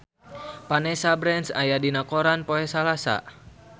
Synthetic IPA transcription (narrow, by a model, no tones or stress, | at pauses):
panɛsabɾɛnsajadinakoɾanpoɛsalasa̰